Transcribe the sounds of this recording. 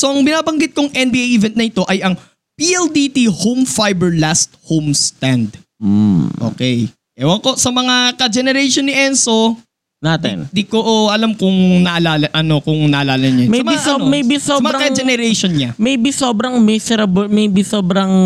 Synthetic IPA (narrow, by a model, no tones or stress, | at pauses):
soʔɐŋbɪnaːbɐŋɡɪt̪̚kʊŋɛnbiʔejʔivɛnt̪nɐɪt̪o̞ʔɐjʔɐŋ | piʔɛld̪it̪ihowmfajbɛɹlast̪̚howmst̪and̪̩ | ʔo̰ːkɛj | ɛwɐŋkosɐmɐŋakɐd͡ʒɛnɛɾɛjʃonːɪʔɛnso | naːt̪ɛ̰nd̪ikoʔʔɐlamkʊŋnɐʔɐlaːlɐʔɐno̞kʊŋnɐʔɐlaːlɐɲɐmɛsɐmɐismɛjbɪsoːmɐaɾɐɐd͡ʒɛnɛɾɛjʃonɲamɛjbɪsoːbɾɐŋmɛsɛɾɐbmɛjbɪsoːbɾɐŋ